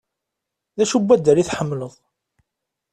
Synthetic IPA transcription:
ðæʃubːæd̪ːəɾiθħəmːləðˤ

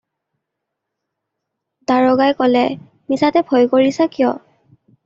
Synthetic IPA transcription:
daɹɔɡajkɔlɛ | misatɛbʱɔjkoɹisakijɔ

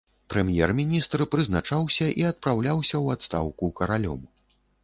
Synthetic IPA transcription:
pɾɛmjɛrmʲinʲist̪rpɾɨznat͡ʂawsʲɐʔiɐt̪̚pɾawlʲawsʲɐwat̪st̪a̰wkukɐɾalʲɔ̰m

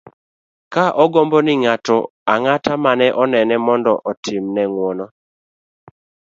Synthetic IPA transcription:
kaʔɔɡɔmbɔnɪŋatɔaŋatamanɛʔɔnɛnɛmɔndɔʔɔtʰɪmnɛŋwɔnɔ

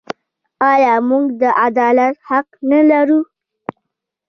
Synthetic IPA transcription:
ɑjɑmuɡd̪əʔad̪ɑlat̪haqnalaɾu

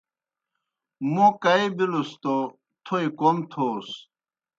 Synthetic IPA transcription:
mukɐibilust̪o | t̪ʰoikomt̪ʰoːs

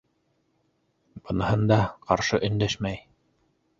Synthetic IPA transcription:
b̥ɤ̆nɤ̆hɤnd̪ɑqɑɾʃɤʔɵ̆nd̪æʃmæj

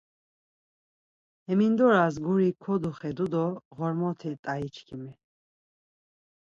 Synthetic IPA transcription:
ɛmind̪ɔɾasɡuɾikʰɔd̪uχɛd̪ud̪ɔʁɔɾmɔt̪ʰɛt̪ʼait͡ʃʰkʰimɛ

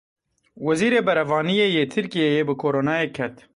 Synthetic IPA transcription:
wɐziːɾeːbɐɾɐvɑːnijeːjeːt̪ʰɨɾkijejeːbɨkʰoːɾoːnɑːjeːkʰɛt̪

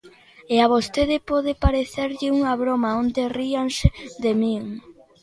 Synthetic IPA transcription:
eaβost̪eðɪpɔðɪpaɾeθeɾʎɪuŋaβɾomaond̪eriaŋsed̪emiŋ

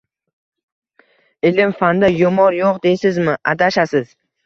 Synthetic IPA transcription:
ɪlɪmfand̪ajʊmɒɾjoqd̪ejsɪzmɪʔad̪aʃasɪz̥

